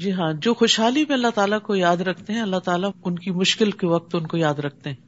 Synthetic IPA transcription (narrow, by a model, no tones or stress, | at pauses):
d͡ʒiːɦãːd͡ʒoːxoːʃɦaːlimẽɐlːaɦt̪aːlakojaːd̪ɾɐkʰt̪eɦɛ̃ɐlːaɦt̪aːlaʊnkimʊʃkɪlkeʋɐk̚t̪ʊnkojaːd̪ɾɐk̚ʰt̪eɦɛ̃ː